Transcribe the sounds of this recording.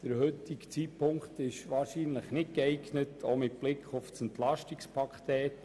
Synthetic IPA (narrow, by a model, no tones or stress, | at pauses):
d̥əɾhʏtɪɡt͡siːpʰʊŋkt̪ɪʃʋɑːɾʃiːnləχnɪt̚kɛɪɡnətʰomɪt̚b̥lɪkʰχofsɛntlɑʃtikspʰɑkχt̪ɛːt